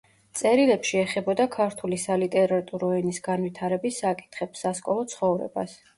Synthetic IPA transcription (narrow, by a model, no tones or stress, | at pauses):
t̪sʼɛɾilɛpʃiɛχɛbɔd̪akʰaɾt̪ʰulisalit̪ʼɛɾat̪ʼuɾɔɛnisɡanvwit̪ʰaɾɛbisːakʼi̥t̪ʰχɛpsːaskʼɔlˠɔt̪sʰχɔvɾɛ̰ba̰s